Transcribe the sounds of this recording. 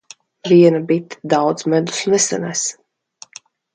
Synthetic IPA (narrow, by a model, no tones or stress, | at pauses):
viɛnabit̪d̪awd̪zmɛd̪u̥snɛsa̰næs